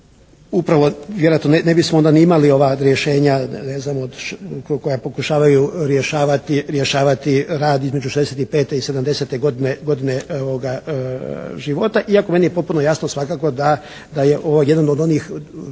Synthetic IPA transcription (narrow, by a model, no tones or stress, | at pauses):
upɾaʋo̞ʋjeɾojat̪noenebismoond̪aniimalio̞ʋaɾjeʃe̞ːɲane̞znamod̪ko̞japo̞kuʃaːʋajuɾjeʃaːʋat̪iɾjeʃaːʋat̪iɾaːd̪izme̞d͡ʒuʃezeset̪ipe̞ːt̪e̞ise̞d̪amd̪e̞se̞t̪e̞ɡod̪ineɡo̞d̪ineoʋoɡa | ʒiʋo̞t̪aʔiako̞me̞nijepo̞t̪̚puno̞jasnosʋakaːko̞d̪a | d̪aje̞ʔo̞ʋoje̞d̪ano̞d̪o̞niːx